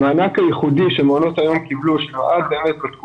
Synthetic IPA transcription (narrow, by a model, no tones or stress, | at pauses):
maanakajeχud̪iʃemeonot̪ajo̞mkibluʃloʔad̪̚beemet̪̚bet̪ku